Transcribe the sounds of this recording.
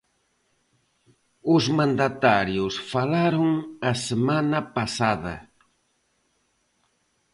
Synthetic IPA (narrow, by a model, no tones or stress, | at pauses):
ʊzmãnd̪at̪aɾjʊsfalaɾoŋɐsemanɐpasaðɐ̰